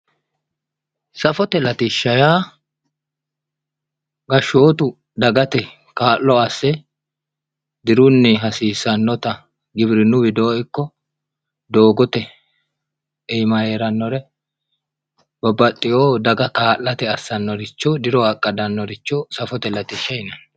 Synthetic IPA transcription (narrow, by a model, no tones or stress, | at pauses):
sɐfɔt̪ɛlɐt̪ɪʃːɐjaː | ɡɐʃːoːt̪ʊ | d̪ɐɡɐt̪ɛ | kaːʔːɔɐsːɛ | d̪ɪɾʊnːɪɦɐsiːsːɐnːɔt̪ɐ | ɡɪbɾɪnʊbɪd̪oːɪkːɔ | d̪o̞ːɡɔt̪ɛ | ɛjmɐe̞ːɾɐnːɔɾɛ | bɐbɐt̪ʼːɪjoːd̪ɐɡɐkaːlːɐt̪ɛɐsːɐnːɔɾɪt͡ʃːɔd̪ɪɾɔɐkʼːɐd̪ɐnːɔɾɪt͡ʃːɔsɐfɔt̪ɛlɐt̪ɪʃːɐjnɐn